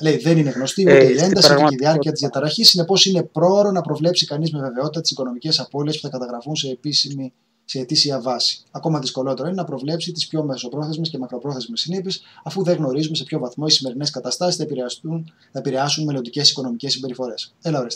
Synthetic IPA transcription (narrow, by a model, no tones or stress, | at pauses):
lejðe̞nine̞ɣno̞st̪iot̪eie̞nd̪ɐsieiðiɐɾiɐt̪izðjɐt̪ɐɾɐçisine̞po̞sine̞pɾo̞ɾo̞nɐpɾo̞vle̞psikɐnizme̞ve̞ve̞o̞t̪it̪ɐt̪i̥siko̞no̞mice̞sɐpo̞liespu̥θɐkɐt̪ɐɣɾɐfunsepi | se̞ːt̪isiɐvɐsi̥ɐko̞mɐðisko̞lo̞t̪e̞ɾoinenɐpɾo̞vle̞psit̪ispço̞meso̞pɾo̞θe̞zme̞sce̞mɐkɾo̞pɾo̞θe̞zmesːinipisɐfuðeɣno̞ɾizume̞sepço̞vɐθmo̞isime̞ɾineskɐt̪ɐst̪ɐsisθɐu | θɐepiɾe̞ɐsunme̞lo̞nd̪ice̞siko̞no̞micesːimbe̞ɾifo̞ɾe̞selɐoɾest̪